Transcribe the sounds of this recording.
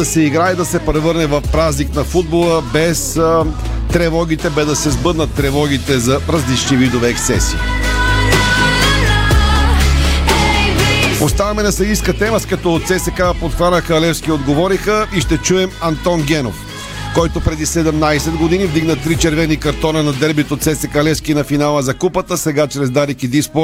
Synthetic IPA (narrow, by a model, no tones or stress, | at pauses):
ɐsɛiɡɾaɛd̪ɐsɛpɾɛvɤɾnɛvɐfpɾazniknɐfud̪̚bolˠəbɛs | t̪ɾɛvɔɡ̟it̪ɛbɛd̪ɐsɛzbɤd̪nət̪ːɾɛvɔɡ̟it̪ɛzɐɾɐzlit͡ʃnivid̪ovɛːksɛ̰sḭː | ost̪avɐmɛnɐsɛiskət̪ɛməskɐt̪ɔt̪sɛsɛkapot̪xanəxəɐlɛfskʲiod̪ɡovɔɾixəiʃt̪ɛt͡ʃuɛmɐnt̪ɔnɡʲɛno̰f | kɔjt̪opɾɛd̪isɛd̪ɛmnajsɛd̪ɡod̪inivd̪iɡnət̪ɾit͡ʃɛɾvɛnikɐɾt̪ɔnənɐd̪ɛɾbit̪ot̪sɛsɛkɐlɛfskinɐfinalˠəzɐkupət̪əsɛɡat͡ʃɾɛzd̪aɾikid̪ispo